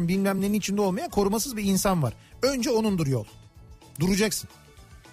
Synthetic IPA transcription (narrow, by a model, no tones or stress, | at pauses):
nbilʲmæmlʲe̞ɾinit͡ʃʰind̪ɛo̞lˠmajakʰo̞ɾumasɯzbiinsanvaɾ̥ | ønd͡ʒɛo̞nund̪uɾjolˠ | d̪uɾud͡ʒaksɯn